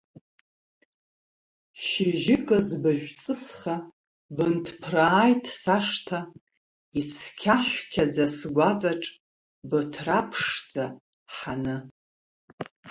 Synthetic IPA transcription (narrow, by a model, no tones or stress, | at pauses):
ʃiʒɪkʼazbɨʒᶣʷt͡sʼɨsχa | bɨntʰpʰraːjtʰʼsaʂtʰa | it͡sʰkʲʰaʃʷᶣkʲʰad͡zasɡʷat͡sʼaʈ͡ʂʼ | bɨtʰrapʰʂd͡za | ħanɨ